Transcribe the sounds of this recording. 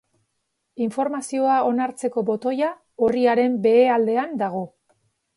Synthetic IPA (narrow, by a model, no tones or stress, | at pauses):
iɱfo̞ɾmasio̞ao̞naɾt͡se̞ko̞bo̞t̪o̞ja | oriaɾe̞mbe̞ːald̪e̞and̪aɣ̞o̞